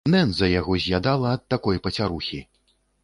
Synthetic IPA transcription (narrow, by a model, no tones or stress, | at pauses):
nɛnzɐjaɣɔzʲjad̪alˠɐːt̪ːakɔjpɐt͡sʲaɾuxʲi